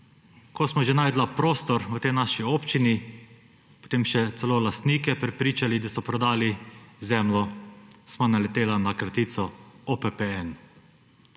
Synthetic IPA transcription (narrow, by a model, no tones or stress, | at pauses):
kʰɔsmɔʒenaːjd̪lapɾoːst̪ɔɾut̪ɛjnaʃiopt͡ʃini | po̥t̪eːmʃɛt̪sɛloːlast̪niːkɛpɾɛpɾiːt͡ʃalid̪asɔpɾɔd̪aːlizɛmlɔsmanalɛt̪eːlanakɾat̪iːt̪sɔopɛpɛɛn